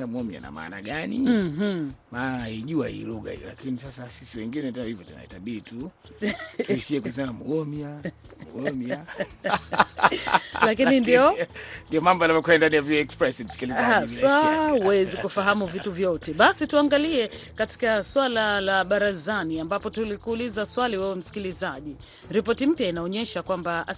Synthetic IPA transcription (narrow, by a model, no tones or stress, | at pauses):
amuɔmja̰na̰ma̰ːna̰ɠaniɦ̩mahiʄuahḭluɠa̰hḭjɔ̰la̰kinisasasisiwɛŋɡinɛtɛnhivjɔtuna̰itaɓiːtu | tisiɛkus̬ɛmamuɔmja | mṵɡɔmja | lakinindiɔndiɔmambɔalamakuɛndanijaviɔɛkspɾɛsim̩si̥kilizaswauwɛzikufaɦamuvituvjɔtɛɓasituaŋɡaliɛ | kati̥kaswalalaɓaɾazaniambapɔtulikuːlizaswaliwɛwɛm̩si̥kilizaʄi | ɾipɔtim̩pjainaɔɲɛʃakwamba